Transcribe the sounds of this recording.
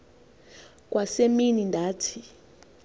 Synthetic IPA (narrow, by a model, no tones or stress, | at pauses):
k̬ʼwʔaseminindʱaːtʰi